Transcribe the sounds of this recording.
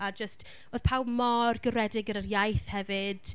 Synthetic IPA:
ad͡ʒəst | oːð̥pʰawmɔrɡəɾɛdɪɡəɾərjajθhɛvɨd̥

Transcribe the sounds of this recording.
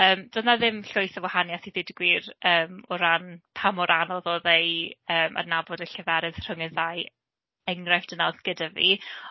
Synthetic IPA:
əːmd̥ənaðɪmɬʊɨθəvwahanjasiðɪdɡwirəːmɔɾanpʰamɔɾʔanɔðɔðejəːma̰rnabɔdəɬəvɛɾɨð̥r̥əŋəðaj | ɛŋrajfd̥ənaðɡ̥ədavḭ

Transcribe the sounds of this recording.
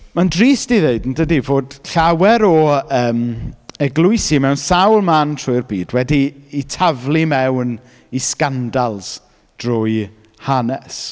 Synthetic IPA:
mandriːsdiðeɨdn̩dədivoːd̥ɬawɛɾɔəːmɛɡlˠʊɨsimɛwnsawlˠmantʰrʊɨrbiːdwɛdiːtʰavlˠimɛwn | iskandalˠs | d̥rʊɨ | hanɛs

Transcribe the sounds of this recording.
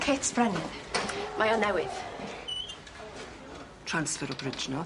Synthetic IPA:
kʰetsb̥ɾanɪmajɔnɛwɪð | tʰɹ̥ansfɛɾɔbɾɪd͡ʒnɔ

